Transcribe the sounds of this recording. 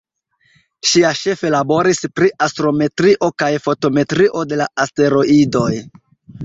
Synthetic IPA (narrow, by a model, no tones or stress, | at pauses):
ʃiaʃe̞fe̞labo̞ɾispɾiʔastɾo̞me̞tɾiʔo̞kajfo̞to̞me̞tɾiʔo̞de̞laaste̞ɾo̞ʔido̞j